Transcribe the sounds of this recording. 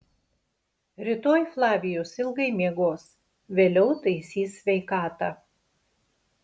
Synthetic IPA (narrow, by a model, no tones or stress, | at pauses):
ɾʲɪt̪oːjflˠɑːʋʲɪjoːsɪlˠɡɐɪmʲiɛɡoːs | ʋʲeːlʲɛʊt̪ɐɪsʲiːsʲːʋʲɛɪkɑːt̪ɑ